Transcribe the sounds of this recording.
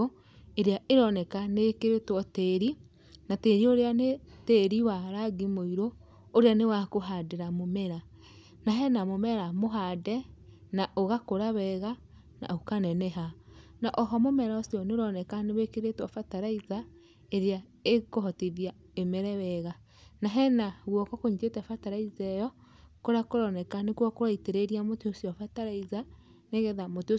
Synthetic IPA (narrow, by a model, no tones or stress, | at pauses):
eɾeaeɾɔnɛkanekeɾetwɔteɾi | nateɾioɾeaneteɾiwaɾaɡimoiɾoː | ɾeanewakoɦadeɾamomɛɾa | naɦɛnamomɛɾamoɦadɛ | naʔoɣakoɾaβɛɣa | na̰okanɛnɛɦanaʔɔɦɔmomɛɾaosjɔneoɾɔnɛkaneβekeɾetwɔfataɾaiza | eɾea | ekoɦɔtiðia | emɛɾɛwɛɣa | naɦɛnaɣwɔkɔkoɲid͡ʒetɛfataɾaizɛjɔ | koɾakoɾɔnɛkanekwɔkoɾaiteɾeɾiamoteosiɔfataɾaiza | neɣeðamoteo